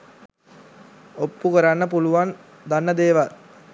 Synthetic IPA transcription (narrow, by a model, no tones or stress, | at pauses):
opːukəɾanːəpuluʋan | d̪anːəd̪eːʋal